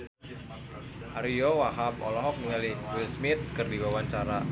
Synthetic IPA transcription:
ʔaɾijɔwaɦapɔ̰lɔɦɔk̚niŋaliwɪlsmɪt̪̚kɨrdiwawaɲt͡ʃaɾa

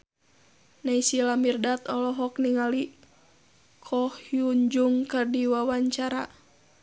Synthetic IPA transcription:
naisilamirdat̪ɔlɔɦɔkniŋali | kʰɔhjuɲd͡ʒuŋkərdiwawaɲt͡ʃaɾa

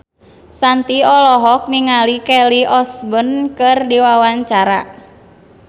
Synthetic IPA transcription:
sant̪iɔlɔɦɔk̚niŋalikɛliɔsbənkɨrdiwawaɲt͡ʃaɾa̰

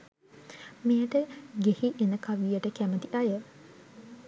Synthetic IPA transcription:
mejəʈəɡehiʔenəkaʋijəʈəkæmət̪iʔajə

